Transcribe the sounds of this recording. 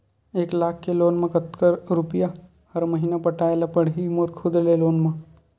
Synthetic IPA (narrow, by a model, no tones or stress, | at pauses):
eːklaːkʰkeloːnmẽkət̪kəɾɾʊpɪja | hɐɾmɐɦiːnapɐʈaːelapɐɽ̤ɦimoɾkʰʊd̪leloːnmã